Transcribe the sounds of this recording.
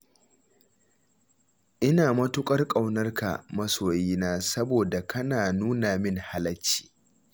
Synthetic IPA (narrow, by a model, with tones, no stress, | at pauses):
ʔɪ˦naː˨mɐ˦tʊ˦kʷʼɐ˦rkʼa˨wnɐ˦rka̰˨mɐ˦soː˨jiː˦naː˦sɐ˦boː˨da˨kɐ˦naː˨nuː˦naː˨mɪ˦˨ŋha˦lɐ˦t͡ʃːi̥ː˨